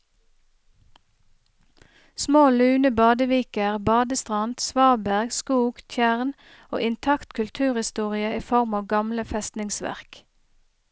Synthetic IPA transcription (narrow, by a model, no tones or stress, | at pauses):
smoːlʉːnəbɑːd̪əʋiːkəʁbɑːd̪əst̪ʁɑnd̪sʋɑːbæʁɡskuːɡ̥t̪ʰjæʁn | o̰ːʔɪnt̪ʰɑkt̪kʰʉlt̪ʰʉːʁhɪst̪uːʁɪəiːfɔʁmɑːʋɡɑmləfɛst̪nɪŋsʋæ̰ʁk